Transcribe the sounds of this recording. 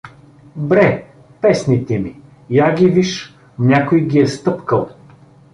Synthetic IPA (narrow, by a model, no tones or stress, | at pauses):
bɾɛ | pɛsnit̪ɛmi | jaɡʲiviʃ | nʲakojɡʲiɛst̪ɤpkəlˠ